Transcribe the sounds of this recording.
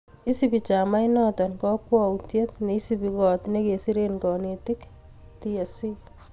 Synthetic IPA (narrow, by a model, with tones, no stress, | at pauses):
i˦sipi˨t͡ʃa˨ma˦inɔtɔnkɔpwɔ˦wtje˦tne˨i˦sipikɔ˨tneke˨si˦ɾenkɔ˨netɪk | tia˨si˦